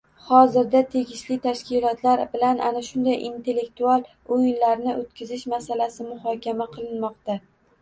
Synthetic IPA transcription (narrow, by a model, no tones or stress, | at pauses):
hɒzɪɾd̪at̪ʰe̞ɡʲɪʃlɪt̪ʰaʃkʲɪlˠɒt̪ʰlaɾbɪlanʔa̰naʃʊnd̪ajʔint̪ʰe̞lːe̞k̚t̪ualˠ | ojɪnlaɾnɪʔot̪̚kʲɪzɪʃmasalasɪmʊhɒkʲamaqʰɨlˠɪnmɒqt̪a